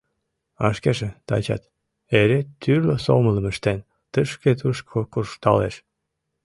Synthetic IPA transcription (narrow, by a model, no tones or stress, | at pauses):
ɑʃkeʒet̪ɑ̰t͡ɕɑ̰t̪ | eɾet̪ːyrloso̰mələməʃt̪en | t̪əʃket̪uʃkʰokurʃt̪ɑ̰lḛʃ